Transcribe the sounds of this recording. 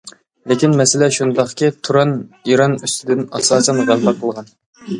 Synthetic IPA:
lekʲinmɛsɪlɛʃund̪ɑχkʲit̪ʰuɾɑniɾɑnyst̪ʰɪd̪ɪnɑsɑːsɛnʁɑnbɑqʰːəlˠʁɑn

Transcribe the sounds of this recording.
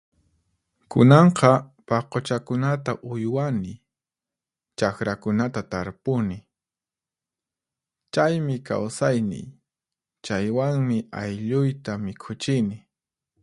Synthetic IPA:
kʊnɑɴqɑ | pɑqot͡ʃakʊnat̪aʔʊjwanɪ | t͡ʃakɾakʊnat̪at̪aɾpʊnɪ | t͡ʃajmɪka̰wsajnɪ̰j | t͡ʃajwaŋmɪa̰jʎʊjt̪amɪkʰʊt͡ʃɪnɪ

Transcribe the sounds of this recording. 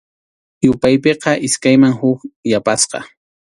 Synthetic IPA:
jʊpajpeqɑʔɪskajmaŋhʊkjapasqɑ̰

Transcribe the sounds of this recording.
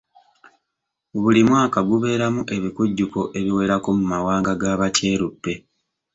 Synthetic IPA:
βulimwaːkaɡuβe̞ːɾamuʔe̞βikuɟːukoʔe̞βiwe̞ːɾakomumawaːŋɡaɡaːβaceːɾubːe̞

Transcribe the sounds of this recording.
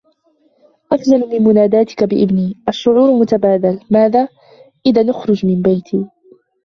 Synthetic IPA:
ʔafzalmɪnmʊnaːd̪aːt̪ɪ̥kabɪʔɪbniːʔaʃːʊʕuːɾmʊt̪abaːd̪almaːðaː | ʔɪðaːnʊxɾʊd͡ʒmɪnbajt̪ʰiː

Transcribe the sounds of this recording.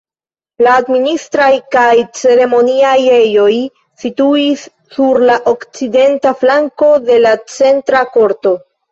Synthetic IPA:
laːdministɾajkajt͡se̞ɾe̞mo̞niajejo̞j | situisː | uɾlaʔo̞kt͡side̞ntaflaŋko̞de̞lat͡se̞ntɾako̞ɾto̞

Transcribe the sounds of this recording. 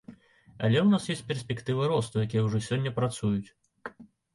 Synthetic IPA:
ɐ̰lʲɛwnasjesʲpʲɛrsʲpʲɛkt̪ɨvɨɾɔst̪ujakʲijɛwʐɔsʲɔnʲːɐpɾat̪sujut͡sʲ

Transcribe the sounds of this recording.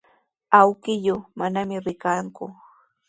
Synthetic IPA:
awkɪjʊmanamɪɾɪkaŋkʊ

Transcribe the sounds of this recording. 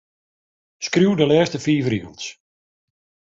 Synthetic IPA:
skruwdəlɛːstəfiːvəriəns

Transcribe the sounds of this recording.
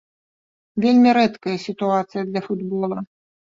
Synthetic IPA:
vʲelʲmʲiɾɛt̪kɐjɐsʲit̪uat̪sɨjɐd̪lʲɐfud̪bɔlˠɐ

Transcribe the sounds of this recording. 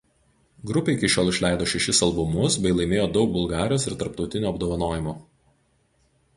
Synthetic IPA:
ɡɾʊpʲeɪkʲɪʃʲoːlˠɪʃʲlʲæˑɪd̪oːʃʲɛʃʲɪsɐlˠbʊmʊsbʲɛɪlˠɐɪmʲeːjoːd̪ɒʊk̚bʊlˠɡɑːɾʲɪjoːsɪɾt̪ɐɾp̚t̪ɒʊt̪ʲɪnʲuːɐbd̪oːʋɐnoːjɪmuː

